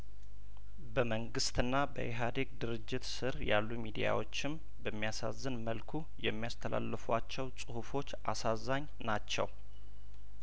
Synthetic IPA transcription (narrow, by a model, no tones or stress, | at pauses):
bəməŋɡɨst̪ɨnːabə̰ʔeɦad̪ekd̪ɨɾɨd͡ʒːɪt̪sɨɾja̰lːumid̪ija̰wo̞t͡ʃːɪm | bəmːijasa̰zːɨnməlkʰu | jɛmːijast̪ʰəlʔa̰lːɨfat͡ʃːɛwsʼɨhufo̞t͡ʃːʔasazaɲː | nat͡ʃːɛ̰w